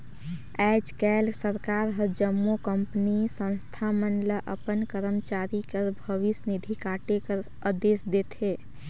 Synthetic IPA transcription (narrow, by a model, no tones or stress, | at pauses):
ɛd͡ʒkɛlsəɾkaɾɦəd͡ʒəmːokəmpnisə̃nst̪ʰamənləʔəpənkəɾəmt͡ʃaɾikəɾbʱəʋisnid̪ʱikaʈekəɾ | əd̪esd̪et̪ʰɦe